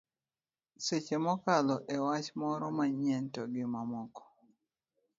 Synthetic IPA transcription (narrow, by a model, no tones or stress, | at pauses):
set͡ʃemɔkalɔʔewat͡ʃmɔɾɔmaɲɛntɔɡɪmamɔkɔ̥